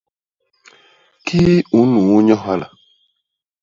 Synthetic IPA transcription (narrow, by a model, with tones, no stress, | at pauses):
kʰi˦u˨˦nu˨˦ɲɔ˦ɦa˦la̰˨